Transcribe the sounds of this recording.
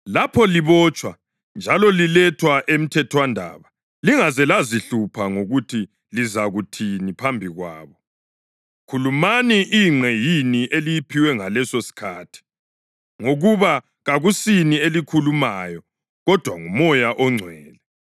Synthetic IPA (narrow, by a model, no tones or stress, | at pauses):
lapʰɔliβɔt͡ʃʼwa | nd͡ʒʱalɔlilɛtʰwaʔem̩tʰɛtʰwandʱa̰ːβa | liŋazɛlaziɬupʰaŋoɣutʰi | lizaɣutʰinipʰambʱiɣwa̰ːβɔ | kʰulumaniʔiŋ͡ǀʱɛjiniʔelijipʰiwɛŋalɛsosi̥kʰaːtʰi̥ | ŋoɣuβa | ɣaɣusinielikʰulumajɔ | ɣɔd̥ʱwaŋumɔjaʔɔŋ͡ǀʱwɛːlɛ